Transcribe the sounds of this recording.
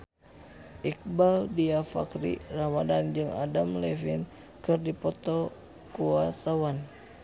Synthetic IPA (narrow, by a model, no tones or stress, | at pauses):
ʔik̚baldiafa̰kɾḭramadand͡ʒɨŋa̰damlɛfin | kɨrdipɔt̪ɔ | kuat̪awan